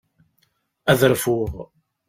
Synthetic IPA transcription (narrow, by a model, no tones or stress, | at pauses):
æðəɾfuʁ